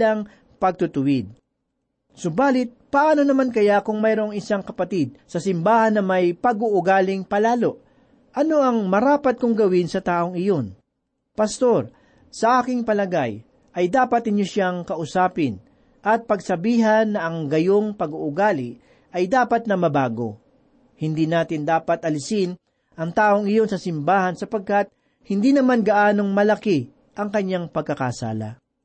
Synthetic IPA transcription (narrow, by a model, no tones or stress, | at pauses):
ɐŋ | pɐɡ̚t̪ʊt̪ʊwɪd̪̚ | sʊbaːlɪt̪̚pɐʔaːno̞nɐmankɐjakʊŋmɛjɾo̞ŋɪsaŋkɐpɐt̪id̪̚sɐsɪmbaːhɐnːɐmɐjpɐɡuʔʊɡaːlɪŋpɐlaːlo̞ʔ | ʔɐnoʔɐŋmɐɾaːpɐt̪̚kʊŋɡɐwɪnsɐt̪aːʔoŋɪjo̞n | pɐst̪o̞ɾ | sɐʔaːkɪŋpɐlɐɡa̰j | ʔɐjd̪aːpɐt̪̚hɪɲoʃaŋkɐʔʊsaːpɪn | ʔɐt̪̚pɐɡsɐbiːɦɐnːɐʔɐŋɡɐjoŋpɐɡʊʔʊɡaːlɪʔ | ɐjd̪aːpɐt̪̚nɐmɐbaːɡo̞̰ | hɪnd̪inaːt̪ɪnd̪aːpɐt̪ʔɐlɪsɪn | ʔɐŋt̪aːʔo̞ŋɪjo̞nsɐsɪmbaːhɐnsɐpɐɡ̚kat̪̚ | hɪnd̪iːnɐmanɡɐʔaːno̞ŋmɐlɐkɪ | ʔɐŋkɐɲːaŋpɐɡ̚kːɐkasa̰ːlɐ̰